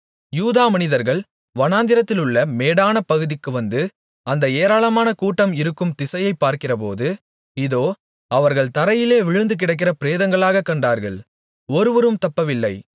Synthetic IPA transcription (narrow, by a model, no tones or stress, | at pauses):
juːðaːmɐnɪðɐɾɣɐɭ | ʋɐnaːnd̪ɪɾɐt̪ːɪlɯɭːɐmeːɽaːnɐpɐɣɯðɪkːɯʋɐnd̪ɯ | ɐnd̪ɐeːɾaːɭɐmaːnɐkuːʈːɐmɪɾɯkːɯmt̪ɪsɐjɐɪpːaːɾkɪrɐp̬o̰ːðɯ | ɪðoː | ɐʋɐɾɣɐɭt̪ɐɾɐjɪleːʋɪɻɯnd̪ɯk̬ɪɽɐɪk̬ːɪrɐpɪɾeːðɐŋɡɐɭaːɣɐkːɐɳɖaːɾɣɐ̰ɭ | ɔɾɯʋɐɾɯmt̪ɐpːɐʋɪlːɐɪ